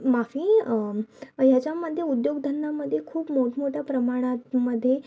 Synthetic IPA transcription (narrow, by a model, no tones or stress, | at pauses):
mafi | əjad͡ʒaməd̪ʱjeud̪joɡd̪ʱənːaməd̪ʱjekʰuːpmoʈmoʈapɾəmaɽ̃aməd̪ʱje